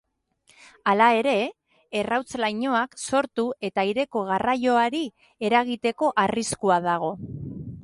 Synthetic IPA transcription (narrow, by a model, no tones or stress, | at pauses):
alae̞ɾe̞ː | rawt͡slajɲo̞akso̞ɾt̪ue̞t̪aiɾe̞ko̞ɣ̞arajo̞aɾi | e̞ɾaɣ̞it̪e̞ko̞ʔariskuað̞aɣ̞o̞